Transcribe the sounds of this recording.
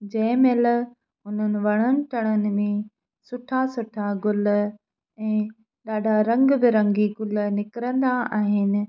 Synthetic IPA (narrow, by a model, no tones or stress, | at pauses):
d͡ʑɐːɪ̃melə | ʊn̤ənɪ̆ʋɐɽ̃ənɪ̆ʈɐɽ̃ənɪ̆mẽ | sʊʈʰasʊʈʰaɡʊl | ɛ̃ː | ɗaːɖʱaɾɐ̃ŋɡbɪɾɐ̃ŋɡiɡʊlnɪkɪɾə̃nd̪aa̰ːɦɪnɪ̆